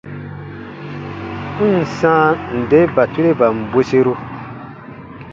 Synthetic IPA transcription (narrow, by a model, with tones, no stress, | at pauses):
n̩˨sãː˦n̩˨de˦ba˨tu˦ɾe˦ba˨m̩˨bwe˦se˦ɾo˦